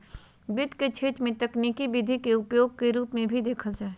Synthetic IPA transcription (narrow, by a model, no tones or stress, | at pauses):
bɪd̪ʱket͡ʃʰeːt͡ʃmẽt̪ɐkniːkibɪd̪ʱikeʊpjoːɡ̚keɾuːpmẽbʱid̪eːkʰəld͡ʒaːe